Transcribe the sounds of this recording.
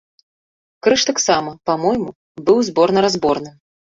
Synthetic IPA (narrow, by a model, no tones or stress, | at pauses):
kɾɨʂt̪aksamɐpamɔjmu | bɨwzbɔrnɐɾazbɔrnɨ